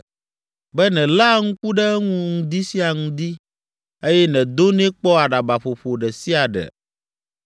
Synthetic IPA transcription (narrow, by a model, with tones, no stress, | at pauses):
bɛ˦nɛ̃˨la˦ŋũ˦ku˦ɖɛ˦ŋũ˦ŋũ˨d̪i˦si˦a˨ŋũ˦d̪i˦ | e˦jɛ˦nɛ̃˨d̪o˦nɛ̃˦k͡pɔ˦a˨ɖa˨ba˨ɸo˨ɸo˨ɖɛ˨si˦a˨ɖɛ̰˨